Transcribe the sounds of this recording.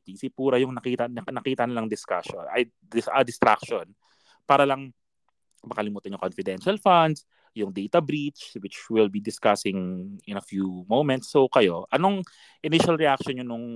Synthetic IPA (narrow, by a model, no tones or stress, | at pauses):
t̪isɪpuːɾɐjʊŋnɐkiːt̪ɐnnɐkiːt̪ɐnɪlɐŋd̪ɪskaʃo̰nɐ̰j | d̪ɪʔɐd̪ɪst̪ɾa̰k̚ʃon | paːɾɐlɐŋ | mɐkɐlɪmuːt̪ɐnɲʊŋkonfɪd̪ɛnʃɐlfand̪s | jʊŋd̪ejt̪ɐbɾit͡ʃwɪt͡ʃwɪlbid̪ɪskasɪŋʔɪnɐfjumowmɛnt̪sːowkɐjo̞ʔɐno̞ŋ | ʔɪnɪʃɐlɹɛʔakʃonɲonʊŋ